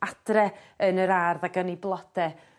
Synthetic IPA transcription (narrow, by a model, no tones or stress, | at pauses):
ad̥rɛ | ənəɾarðaɡəniblˠɔd̥ɛ